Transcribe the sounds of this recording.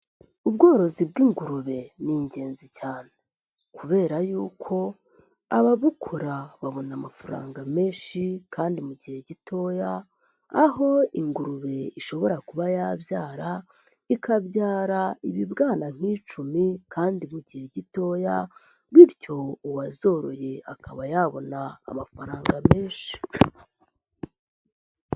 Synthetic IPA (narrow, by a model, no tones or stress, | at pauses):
ubɡo̞ːɾo̞zib̚ɡiːŋɡuɾuβe̞niɲɟe̞ːnzicaːne | kʰuβe̞ːɾajuːkʰo̞ | aβaβukʰoɾaβaβo̞namafuɾa̰ːŋɡame̞ːʃikʰaːndimuɟihe̞ɟitʰo̞ːjaː | ɦo̞iŋɡuɾuβe̞iʃo̞βo̞ɾakuβajavjaːɾa | ikabɟaːɾaiβibɡaːnan̥hit͡ʃumikʰaːndimuɟihe̞ɟito̞ːja | βiɾco̞uwazo̞ɾo̞̰je̞akʰaβajaβo̞na̰ːmafaɾaːŋɡame̞ːnʃi̥